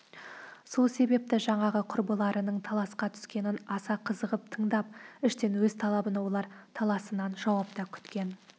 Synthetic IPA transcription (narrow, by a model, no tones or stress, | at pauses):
so̞lˠse̞be̞p̚t̪ɪʒɑɴɑʁəqʰʊɾbəlˠɑɾʔənəɴt̪ʰɑlˠɑsqɑt̪ʰʏ̥skʲe̞nɪnɑsɑqʰəzəʁəp̚t̪ʰəɴd̪ɑp̚ɪʃt̪e̞nwɵzt̪ʰɑlˠɑbənɑwo̞lˠɑɾt̪ʰɑlˠɑsənɑnʒɑwɑp̚t̪ɑkʲʰʏ̥t̪kʲe̞n